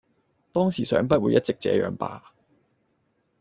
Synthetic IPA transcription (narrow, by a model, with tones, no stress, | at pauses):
t̪ɔː˥ŋsiː˨˩sœ̰ː˨˥ŋpɐ˥t̚wuː˨˧jɐ˥t̚t͡sɪ˨k̚t͡sɛ̰ː˨˥jœ̰ː˨˧ŋpa̰ː˧